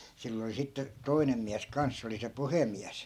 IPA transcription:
silː oli sitːe toi̯nem miæs kɑns se oli se puhemiæs

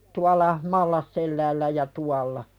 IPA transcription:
tuɑlˑɑ mɑlːɑsːelːæːlːæ jɑ tuɑlːɑ

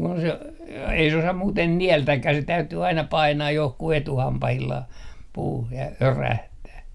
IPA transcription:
kun se ei se osɑm muːten niæltækːæh se tæytyː ɑinɑ pɑinɑːj johkuh etuhɑmpɑhilːɑh puːh jɑ øræhtæː

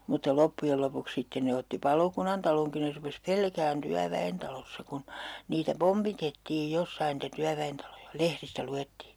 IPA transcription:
mutːɑ lopːujel lopuks sitːen ne otːi pɑlokunɑntɑloŋki ne rupes pelkæːn tyæʋæentɑlosːɑ kun niːtæ pompitetːiːj josːɑin niːtæ tyæʋæentɑlojɑ lehristæ luetːiː

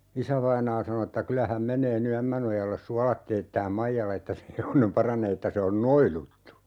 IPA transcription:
isæʋɑinɑː sɑno etːæ kylæ hæm menˑeː ny æmːænojɑlːes suɑlɑt teːtːæːm mɑijɑl etːæ se heʋonem pɑrɑneː etːæ se on noilutːu

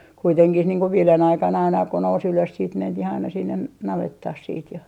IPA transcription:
kuiteŋkih niːŋ ko ʋiːlen ɑikɑn ɑinɑ ko nous yløs siːt mentih ɑinɑ sinːen nɑʋetːɑh siːt jɑ

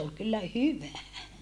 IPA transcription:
ol kylːæ hyʋæ

